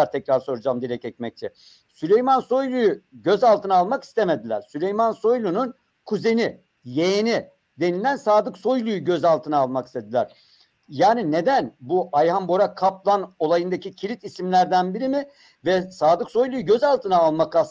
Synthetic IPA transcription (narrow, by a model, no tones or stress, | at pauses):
aɾt̪ʰɛcɾaɾso̞ɾud͡ʒamd̪iɾɛcɛc̚mɛc̚t͡ʃʰɛ | sylʲejmanso̞jlˠujuɟøzalˠt̪ʰɯnalˠmaki̥st̪ʰeme̞d̪ilʲæɾ̥sylʲejmanso̞jlʲˠunun | kʰuze̞ni | jejeni | d̪e̞nilʲænsaːd̪ɯkso̞jlˠujuɟøzalˠt̪ʰɯnaːlˠmaki̥st̪ʰe̞d̪ilʲæɾ̥ | jaːnine̞d̪ænbuʔajhambo̞ɾakʰap̚lˠano̞lˠajɯnd̪acʰicʰiɾʲit̪isimlʲæɾd̪ænbiɾimɪ | vɛsaːd̪ɯkso̞jlˠujuɟøzalˠt̪ʰɯnaːlˠmaka